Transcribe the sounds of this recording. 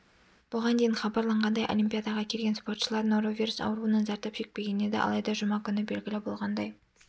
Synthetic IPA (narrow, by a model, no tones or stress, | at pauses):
b̥ʊʁɑnd̪ejɪnχɑbɑɾlˠɑɴʁɑnd̪ɑjʔo̰lʲimʲpʲijad̪ɑʁɑkʲʰe̞lɡʲenspo̞rt̪ʃəlˠɑɾnoɾovʲiɾusɑ̰wəɾuənɑnzɑɾt̪ɑpʒ̥e̞k̚pe̞ɡʲe̞ne̞d̪ḛʔɑ̰lˠɑjd̪ɑʒʊmɑkʲʰʏnɪbe̞lʲɡʲɪlɪbo̞lˠʁɑnd̪ɑj